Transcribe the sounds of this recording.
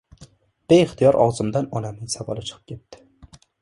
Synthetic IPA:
b̥ejɪχt̪ijɒɾʔɒ̰wzɨmd̪anɒnamnɪŋsavɒ̰lˠɪt͡ʃʰɨ̥qʰɨ̥p̚kʲʰet̪ːɪ̥

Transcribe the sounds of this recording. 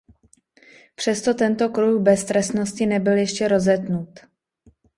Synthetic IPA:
pr̝̥ɛst̪o̞t̪ɛnt̪o̞kɾuxbɛst̪ɾɛst̪no̞scɪnɛbɪljɛʃcɛɾo̞zɛd̪nut̪

